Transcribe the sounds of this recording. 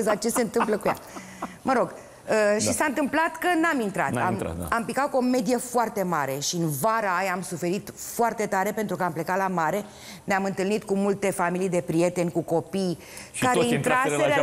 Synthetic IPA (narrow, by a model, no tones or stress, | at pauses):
zak̚t͡ʃe̞se̞ɨnt̪ɨmpləkuja̰ | məɾo̞ɡ | əʃisaɨnt̪ɨmplat̪kənamint̪ɾa̰t̪a̰ma̰a̰ampikat̪̚kuo̞me̞d̪ijefoart̪e̞maɾe̞ʃiɨnvaɾaajamsufe̞ɾit̪foart̪e̞t̪aɾe̞pe̞nt̪ɾukəample̞kat̪lamaɾe̞ | neamɨnt̪ɨlnit̪kumult̪e̞familijd̪e̞pɾije̞t̪e̞nʲkuko̞pij | kaɾeint̪ɾaseɾ